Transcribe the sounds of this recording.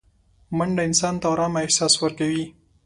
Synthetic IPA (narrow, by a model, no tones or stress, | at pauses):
maɳɖaɪnsɑnt̪awɾɑmaɪhsɑswəɾkawi